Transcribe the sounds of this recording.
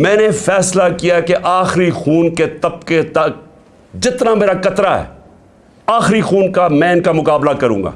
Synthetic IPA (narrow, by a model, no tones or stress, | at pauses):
mɛ̃ːnefɛːslakijaɛkeʔaːxɾixuːnket̪ɐp̚ket̪a | d͡ʒɪt̪nameːɾakɐt̪ɾaɦɛ̰ː | aːxɾixuːnkamɛ̃ːɪnkamʊkaːblakɐɾũːŋɡa̰ː